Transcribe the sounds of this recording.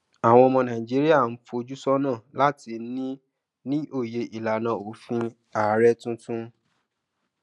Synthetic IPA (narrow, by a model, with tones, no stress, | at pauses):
a˨w̃ɔ̃˧ɔ˧mɔ̃˧nã˨i˨d͡ʒi˦ɾi˦a˦˨n̩˦fo˧d͡ʒu˦sɔ˦nãː˦˨la˦ti˧˦nĩ˦ | nĩ˦ʔo˦˨je˧ʔi˨la˨nã˨o˨˦fĩ˧ | a˨˦ɾɛ˦tũ˦tũ˦